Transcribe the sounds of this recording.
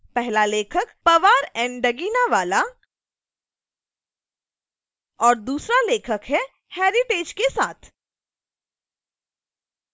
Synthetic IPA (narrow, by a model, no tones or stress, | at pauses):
pɛɦlaleːkʰəkpɐʋaːɾɛ̃ːɳɖɖɐɡiːnaʋaːla | ɔːɾd̪uːsɾaleːkʰəkɦɛ | heːɾɪʈeːd͡ʒkesaːt̪ʰ